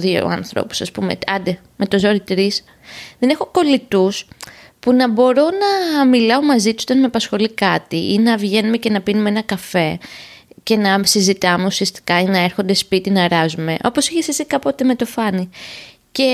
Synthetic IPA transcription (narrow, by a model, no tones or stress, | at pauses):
ðio̰ɐ̰nθɾo̞̰pu̥sɐspṵmḛɐnd̪e | me̞t̪o̞zo̞ɾit̪ɾis | ðe̞ne̞xo̞ko̞lit̪us | punɐbo̞ɾo̞nɐmilɐo̞mɐzit̪usot̪ɐnmeɐpɐsxo̞likɐt̪iʔinɐvʝe̞numece̞nɐpinumeenɐkɐfe̞ | ce̞nɐsizit̪ɐme̞usiɐst̪i̥kɐinɐe̞ɾxo̞nd̪e̞spit̪inɐɾɐzume̞ʔo̞po̞siçesesikɐpo̞t̪e̞me̞t̪o̞fɐni | ce̞